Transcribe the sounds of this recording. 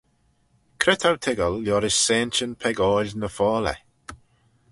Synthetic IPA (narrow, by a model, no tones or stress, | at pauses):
kʰɾɪt̪ʰawtʰɪɡəlːjɔɾɪssɛːnt͡ʃənpʰɛɡɔːlnəfɔːlɛ̰